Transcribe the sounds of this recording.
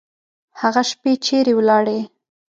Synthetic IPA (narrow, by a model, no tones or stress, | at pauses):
haɣaʃpet͡ʃeɾewlɑɽe